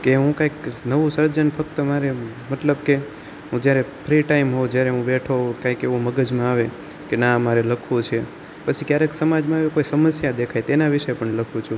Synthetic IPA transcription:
keɦũkãjknəʋũsəɾd͡ʒənfək̚t̪əmaɾe | mət̪ləbke | ɦũd͡ʒjaɾepʰɾiʈaimɦod͡ʒjaɾeɦũbeʈʰokãikeʋũməɡəd͡ʒmãaʋe | kenamaɾeləkʰũt͡ʃʰe | pət͡ʃʰikjaɾeksəmad͡ʒmãaʋekoisəməsjad̪ekʰajt̪enaʋɪʃepəɳləkʰũt͡ʃʰũ

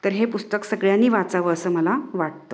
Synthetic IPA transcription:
t̪əɾɦepust̪əksəɡɭjanːiːʋat͡saʋəəsəːməlaʋaʈ̚t̪o

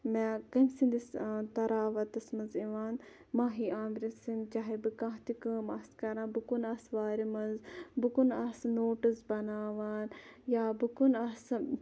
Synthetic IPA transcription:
mɛːkɐmsind̪ist̪ɐɾaːʋɐt̪ɐsmɐnziʋaːn | maːɦiaːmɾinsint͡ʃaːɦebɨkãːɦt̪ikəmɐskɐɾãːbɨkunaːsʋaːɾimɐnzbɨkunasnoːʈisbɐnaːʋaːnjaːbɨkunaːs

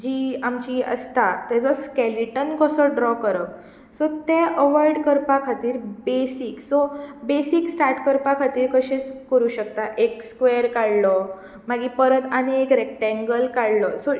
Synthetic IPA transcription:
d͡ʑiːamt͡ɕiːə̰st̪at̪ɛd͡zɔskɛliʈənkəsɔɖɾɔkəɾək | sɔt̪ɛʔəʋaɾɖkəɾpakʰat̪iːɾbesiksɔbesiksʈaɾʈkəɾpakʰat̪iːɾkəɕet͡skəɾuːɕək̚t̪aʔekskʋeəɾkaɽlɔ | maɡipəɾət̪aneekɾɛk̚ʈɛ̃ŋɡəlkaɽlɔsɔ

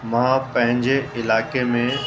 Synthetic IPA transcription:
mãːpɐ̃ɦɪ̃ɲd͡ʑeɪlaːkemẽ

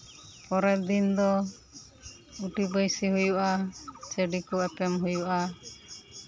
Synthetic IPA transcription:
pɔɾɛd̪ind̪ɔ | uʈibəjsiɦujuʔat͡ʃeɖikɔɛpɛmɦujuʔa

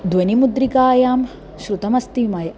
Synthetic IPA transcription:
d̪ʋɐnimud̪ɾikaːjaːm | ʃɾut̪ɐmɐst̪imɐjɐ

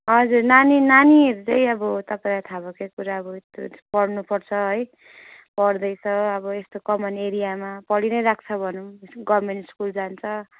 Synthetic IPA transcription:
ɦʌd͡zurnaninanieɾut͡saĩʌbʌt̪ʌpãĩlat̪ʰabʌkakuɾaʌbʌet̪o̰pʌrnupʌrt͡sʰʌɦʌj | pʌrd̪ʌjt͡sʰʌʌbʌest̪okʌmʌneɾijamapʌɽinʌjɾakʰt͡sʰʌbʱʌnuɡʌbmenʈskuld͡zant͡sʰʌ

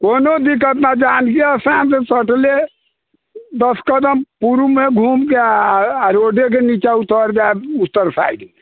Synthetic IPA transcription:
konod̪ik̬ət̪nad͡ʒankeaseɦəmt̪esəʈle | d̪əskəd̪əmpuɾumeɡʱumke | ɾoɖek̬enit͡ʃaut̪əɾd͡ʒaebut̪əɾsa̰jdi

